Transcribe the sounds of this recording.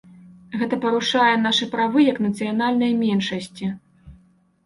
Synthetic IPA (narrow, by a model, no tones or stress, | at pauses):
ɣɛt̪ɐpɐɾuʂajɛnaʂɨpɾavɨjɐknɐt̪sɨjanalʲnɐjmʲɛnʂɐsʲt͡sʲi